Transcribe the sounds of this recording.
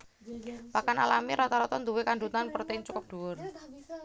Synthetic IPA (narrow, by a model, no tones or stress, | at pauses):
pakana̰lamiɾɔt̪ɔɾɔt̪ɔnd̪uwekaɳɖut̪anpərt̪ɛnt͡ʃukʊp̚d̥ṳwʊr